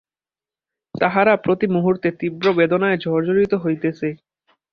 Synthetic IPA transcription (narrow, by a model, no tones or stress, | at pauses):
t̪aɦaɾapɾot̪imuɦuɾt̪et̪ibɾobed̪onaed͡ʑʱɔɾd͡ʑoɾit̪oɦojt̪et͡ɕʰe